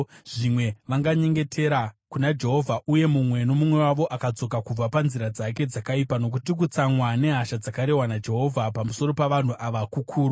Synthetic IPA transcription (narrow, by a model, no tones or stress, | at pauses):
ʐimwe̞ʋaŋɡaɲe̞ŋɡe̞tʰe̞ɾakunad͡ʒe̞ɦo̞vʱaʔuje̞mumwe̞no̞mumwe̞waʋo̞ʔakad͡zo̞kakub͡vapanziɾad͡zake̞d͡zakaipano̞k̬utik̬ut͡saŋwane̞ɦaʃad͡zakaɾe̞wanad͡ʒe̞ɦo̞vʱapamuso̞ɾo̞paʋan̤uʔaʋakukʰuːɾu